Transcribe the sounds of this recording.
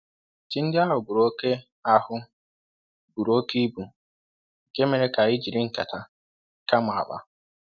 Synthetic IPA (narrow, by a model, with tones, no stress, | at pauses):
ti˦n̩˦dɪ˦a˦ɦʊ˨bu˨ɾo˦ke˦ | a˦hʊ˦ | bu˨ɾo˦ke˦bu˨ | ke˦me˨ɾe˦ka˨i˦d͡ʒi˨ɾɪ˦ŋ̩˨ka̰˨tʰa˦ | ka˦ma˨ba̰˦